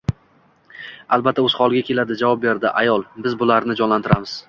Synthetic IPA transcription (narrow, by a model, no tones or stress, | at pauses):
alˠbat̪ʰːaɵz̥χɒlˠɡʲakʲe̞lad̪ɪd͡ʒavɒp̚be̞ɾd̪ɪʔajɒlˠbɪzbʊlaɾnɪd͡ʒɒnlant̪ʰɪɾamɪz̥